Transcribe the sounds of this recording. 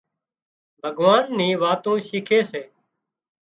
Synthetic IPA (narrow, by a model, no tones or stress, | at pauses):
bʱəɡʋaːnːĩːʋaːt̪õːʃiːkʰeːseː